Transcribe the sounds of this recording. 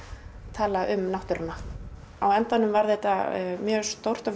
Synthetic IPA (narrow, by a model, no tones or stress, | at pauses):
t̪ʰaːlaʔʏmnawht̪ʏɾana | awɛnt̪anːʏmvaɾθeht̪amjœːɣst̪owr̥t̪av